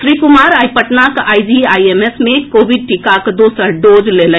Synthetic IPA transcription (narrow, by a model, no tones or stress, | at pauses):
sɾikʊmaːɾaːjpəʈnakaːjd͡ʒiajemesmẽkoːbiɖ̚ʈikakd̪osəɾɖoːd͡ʒlelə̃